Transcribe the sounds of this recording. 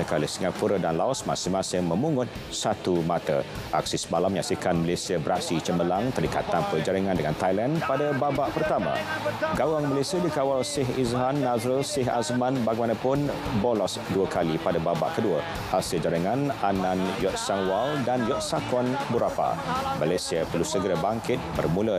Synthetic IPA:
əkaləsiŋapuɾədanlaɔsma̰sɪmːasɪŋmə̃muŋʊt̪̚ | sat̪umat̪a̰ʔa̰k̚sisəmalaməɲasikanməlesiəbəɾaksit͡ʃəməlaŋt̪ərika̰t̪anpərd͡ʒaɾiŋãndəŋant̪ajlanpadababaʔpərt̪amã̰ɡawaŋməlesiadikawalsɪɦizɦanːazəlsɪɦa̰smãnbaɡimanãpʊn | bolɔsduəkalipadababa̰ʔkəduə | ʔasiəd͡ʒaɾiŋananãnjɔt̪̚saŋwaldanjɔt̪̚sakɔnbuɾapa̰malesiəpərlusəɡəɾabaŋkɪt̪̚bərmũlə

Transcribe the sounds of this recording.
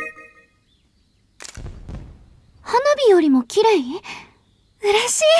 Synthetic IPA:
hanobʲijo̞ɾʲimo̞kʲʰiɾai | ɯɾeɕiː

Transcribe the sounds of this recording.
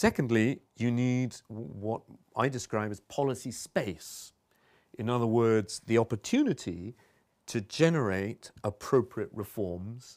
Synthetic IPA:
sɛkn̩dˡlijɨnidwʌɾ | aɪdɨskɹaɪbɨz̥pʰɑlˠəsispeɪs | ʔɨ̃nʌðəwɜ˞dz̥ðiɒpə˞tʰʉnɨɾi | tʰɨd͡ʒɛnə˞eɪtəpʰɹ̥oʊpʰɹiɨʔɹɨfɔɹmz̥

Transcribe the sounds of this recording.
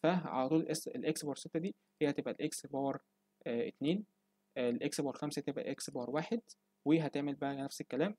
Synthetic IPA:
fæʕa̰læt̪uːleʔeselʔeksbɑːɾset̪ːæd̪iː | hejːhæt̪ebʔælʔeksbɑːɾˤ | ʔʔet̪neːn | lʔeksbɑːɾˤxæmsæt̪ebʔæ̰ʔeksbɑːɾˤwaːħed̪ | weɦæt̪eʕmelbæʔælnæfsekːælæːm

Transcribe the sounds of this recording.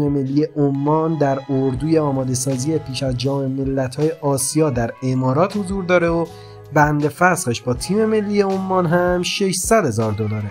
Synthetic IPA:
meme̞lːiːjeʔomːɒːnd̪æɾoɾd̪uːje̞ɒːmɒːd̪e̞sɒːzijepʰiːʃæzd͡ʒɒːmeme̞lːæt̪ʰhɒːje̞ʔɒːsijɒːd̪æɾe̞mɒːɾɒːt̪hozuːɾd̪ɒːɾeo | bænd̪e̞fæsχeʃb̥ɒːt̪ʰiːme̞me̞lːiːjeomːɒːnɦæmʃeʃsæd̪he̞zɒːɾd̪olɒːɾe

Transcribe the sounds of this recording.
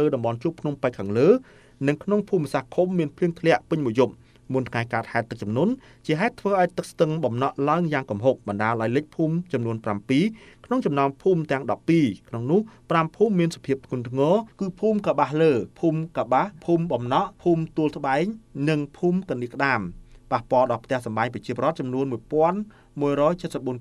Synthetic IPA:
ləːɗɑmɓɑnt͡ɕuəpʰnumpajkʰːaːŋləː | nɨŋkʰnoŋpʰuːmːsahkʰumːiənpʰliəŋt̪ʰlɛ̆əʔpɨɲmuəjup̚ | munt̪ʰŋaɛjkaːt̪̚haɛt̪ːɨk̚t͡ɕɑmnuən | t͡ɕiəɦaɛt̪ʰʋəːʔaɔjt̪ɨk̚st̪ɨŋɓɑmnɑʔlaəŋjaːŋkumɦop̚ɓɑnɗaːəlʔaɔjlɨc̚pʰuːmt͡ɕɑmnuənprampiːkʰnoŋt͡ɕɑmnaɔmpʰuːmt̪ɛ̆əŋɗɑpːiːkʰnoŋnʊ̆əhprampʰuːmːiənsapʰiəp̚t̪ʰŋʊ̆ənt̪ʰŋɑːkɨːpʰuːmkaɓahləːpʰuːmkaɓahpʰuːmɓɑmnɑʔpʰuːmt̪uəlsə̆ɓaɛŋnɨŋpʰuːmkaniəkə̆ɗaːmpahpoəlɗɑlpʰt̪ɛ̆əhsɑmɓajŋprɑt͡ɕiəpoɔːɾŏət̪̚t͡ɕɑmnuənmuəjpŏən | muəjrɔːjt͡ɕət̪̚səp̚ɓuən

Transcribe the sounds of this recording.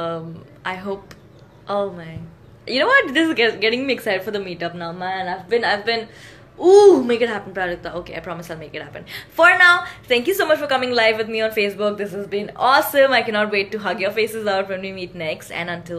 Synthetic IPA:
ʌm | ʔaɪɦoːp | ʔoːmæ̃n | junoːwɔʈ̚d̪ɪsɪɡɛɡɛʈɪ̃ŋmiɛksaɪɖfɔɾd̪əmiːʈʌp̚naʊmæ̃naɪvbɪ̃naɪvbɪ̃n | umeːkɪʈ̚ɦæpə̃n̩pɾaɾɪk̚t̪aoːkḛaɪpɾɔmɪsaɪlmekɪʈ̚hæpə̃nfɔɾnaʊt̪ʰæ̃ŋkjusoːmʌt͡ʃfɔɾkʌmɪ̃ŋlaɪvʋɪd̪̚miɔ̃nfeːsbʊk̚d̪ɪs̬hæzbĩnɔsə̃maɪkænɔʈ̬weːʈːuɦʌɡjɔfeːsɪzaʊʈʋɛ̃nʋimiːʈnɛkstæ̰̃nə̃nʈɪl

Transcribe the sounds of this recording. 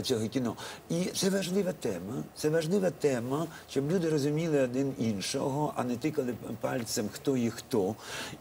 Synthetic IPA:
t͡sʲɔɦɔkʲinɔit̪sɛʋɐʒlˠɪʋɐt̪ɛmɐt̪sɛʋɐʒlˠɪʋɐt̪ɛmɐʃt͡ʃɔblʲud̪ɪrɔzʊmʲilˠɪɔd̪ɪninʃɔ̰ɦɔʔɐ̰nɛt̪ɪkɐlˠɪpɑlʲt̪sɛmxt̪ɔixt̪ɔ

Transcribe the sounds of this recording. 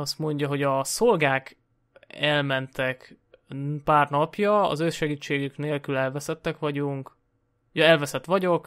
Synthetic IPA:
ɒst̪mo̞ɲɟɒɦo̞ɟɒso̞lɡaːk | ɛlmɛnt̪ɛk | paːrnɒpjɒɒ̰zøsʃɛɡiːt͡ʃːeːɡykneːlkylɛlvɛsɛt̪ːɛkʋɒɟuŋk | jɒɛlvɛsɛt̪ʋɒɟo̞k

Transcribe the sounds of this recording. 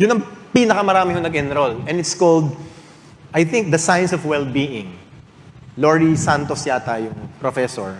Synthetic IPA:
jʊnɐŋpiːnɐkɐmɐɾaːmɪhonɐɡʔɪnɾolɛ̃nɪt̪skold̪ | ʔɐjθɪŋk̚d̪ɐsajnsɔfwɛlbiːʔɪ̃ŋ | loɹisant̪osjat̪ajʊŋpɾofɛso̰ɹ

